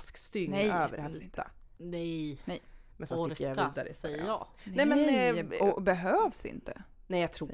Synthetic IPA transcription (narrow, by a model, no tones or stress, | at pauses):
skst̪ʏŋnɛjøːvəɾhɛsɪnt̪ənɛjnɛjmɛnsɛnskːəɾjaviːd̪aɾə̰snɛmɛnɔbɛɦøːvsɪ̰nt̪ənɛjaɡt̪ʰɾuː